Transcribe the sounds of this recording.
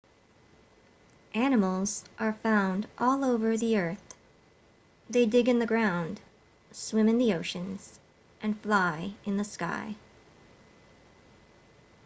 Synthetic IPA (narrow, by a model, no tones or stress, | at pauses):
ʔæñəml̩ˠz̥ʔə˞fãʊ̃ndʔɔlˠoʊvə˞ðiɜ˞θ | ðeɪdɪɡɨ̃nðɨɡɹãʊ̃nd̥ | swɪ̃mɨ̃nðioʊʃɨ̃nz̥ | ʔɨ̃nflaɪɨ̃nðɨska̰ɪ